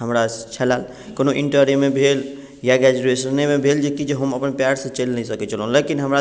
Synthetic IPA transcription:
ɦəmɾat͡ʃʰɛlal | konoʔiɳʈəɾimebʱel | jaɡɾad͡ʒuɾesənnːemebʱeld͡ʒekid͡ʒeɦəməpənpjaɖsə̃t͡ʃelnəisəkɛt͡ʃʰəlɦũlekinɦəmɾa

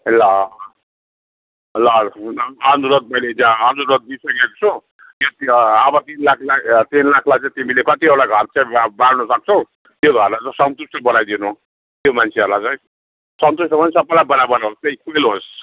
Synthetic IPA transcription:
elːa | lʌnʌnd̪uɾʌt̪̚mʌjled͡zãʌnd̪uɾʌt̪̚bisʌkekot͡sʰo | jot̪iʌbʌt̪inlakʰlat̪inlakʰlajt͡sãĩt̪imilekʌt̪iʌɽaɡʱʌrt͡sãĩbaɽnʌsʌk̚t͡sʰʌ | joɡʱʌrlat͡saĩsʌnt̪usʈʌbʌɽajd̪inu | t̪jomant͡sʰeʌɾlat͡saj̃ | sʌnt̪usʈʌmʌnsʌpːalajbʌnabʌnaɦost̪eĩkʰuelɦos

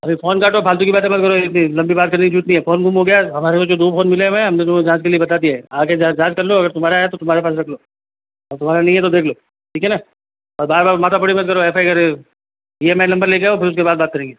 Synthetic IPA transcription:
ɐbʱifoːnkaːʈoːbʱaːlt̪̬ukibaːt̪̬ẽmɐt̪̚kɐɾoɪt̪nilɐ̃mbibaːt̪̚kɐɾnekid͡ʒʱuːt̪nɐɦĩɦɛfoːnɡʱumɦoɡɐjaɦɐmaːɾekod͡ʒoːd̪uːbfoːnmɪleɦmɛ̃ɦɐmnet̪̬ʊmẽd͡ʒãːskeliebɐt̪ad̪ijaɦɛaːked͡ʒad͡ʒaːd͡ʒkɐɾloɐɡəɾt̪ʊmɦaːɾaɦɛt̪ot̪ʊmɦaːɾepaːsɾɐkʰloː | ɔːɾt̪ʊm̤aːɾanɐɦĩɦɛt̪od̪eːkʰloː | ʈʰiːkʰɦɛnaː | ɔːɾbaːɾbaːɾmaːt̪apʊɽimɐt̪̚kɐɾoɛfaːiɡɐɾ | iemɛ̃nɐ̃mbəɾleːɡɐjoːpʰɪɾʊskebaːd̪̚baːt̪̚kɐɾẽːŋɡeː

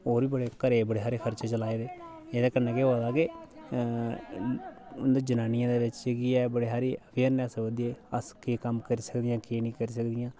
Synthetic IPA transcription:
oːɾʋiːbəɽeːkəɾeːbəɽeːɦaːɾeːkʰəɾt͡ʃeːt͡ʃəlaːeːd̪eː | eːd̪eːkəɾneːkeːod̪aːke | ʊnd̪eːd͡ʒənaːnɪjãːd̪eːʋɪt͡ʃɡiːɛːbəɽeːɦaːɾiːəʋʰeːəɾnəseʋəd̪ieːəskeːkəmkəɾiːsəkd̪ɪjãːkeːnĩːkəɾiːs̬əkd̪ɪjãː

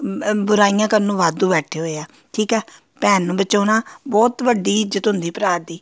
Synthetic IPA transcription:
bʊɾaːijãːkəɾnũːʋaːd̪ũːbɛːʈʰeːɦoːeaː | ʈʰiːkɛː | pɛːnːũːbətːʃoːnãːbɔːt̪ʋəɖiːɪd͡ʒət̪ɦʊnd̪iːpəɾaːd̪iː

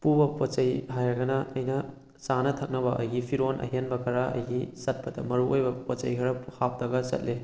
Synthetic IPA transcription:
pubɐpot͡ʃɐjɦajɾɐɡɐnɐɐjnɐ | sanɐtʰɐk̚nɐbɐʔɐjɡipʰiɾonʔɐ̰ɦenbɐkʰɐɾaɐ̰jɡisɐt̚pɐdɐ̰mɐɾuʔojbɐpot͡ʃɐjkʰɐɾɐhap̚dɐɡɐsɐ̰t̚le

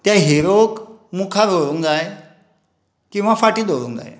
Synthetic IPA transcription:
t̪jaɦiɾokmukʰad̪ʱoɾuŋd͡zaj | kĩw̃ʋafaʈiːd̪ʱoɾṵːŋkd͡za̰j

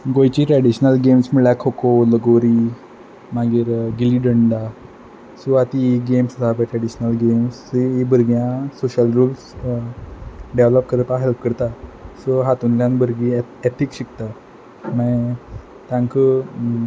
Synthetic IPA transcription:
ɡojt͡ɕiʈɾɛɽiɕnəlɡemsmiɭakʰokoləɡoɾi | maɡiːɾɡiliɖəɳɖa | suat̪iɡemsəsabeʈɾɛɽiɕnəlɡemsiibəɾɡjãsoɕəlɾuːls | ɖeʋlɔpkəɾəpaɦelp̚kəɾt̪asoɦat̪unljãnbəɾɡiet̪ʰikɕikt̪a | mə | t̪ãŋkə

